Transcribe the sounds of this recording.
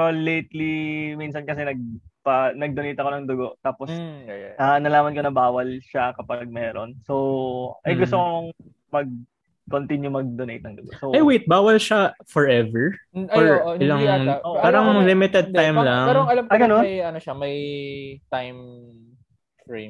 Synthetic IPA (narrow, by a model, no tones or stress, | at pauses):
polejt̪liminsɐnkɐsɛnɐɡ̚pɐnɐɡ̚d̪onejt̪ɐkonɐŋd̪ʊɡoʔt̪aːposjʔɐnɐlaːmɐnko̞nɐbaːwɐlʃakɐpaɡ̚mɛːɾo̰nsowʔɐjɡʊst̪okɐkoŋ | mɐɡ̚ | kont̪injʊmɐɡ̚d̪onejt̪̚ɐŋd̪ʊɡo̰ʔsowɐjwejt̪̚baːwɐlʃafɔɹɛvɛɹɔɹʔoɪlaŋaoʔpaːɾɐŋlɪmɪt̪ɛd̪̚t̪ajmlɐŋpɛɾoɐlamɐɡɐnonɐjɐnoʃamɐjt̪ajm | fɹejm